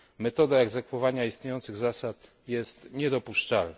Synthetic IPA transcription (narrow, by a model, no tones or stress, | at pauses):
mɛt̪ɔd̪aɛɡzɛkfɔvaɲaist̪ɲejɔnt̪sɘɣzasat̪ | jɛst̪ɲɛd̪ɔpuʂt͡ʂalna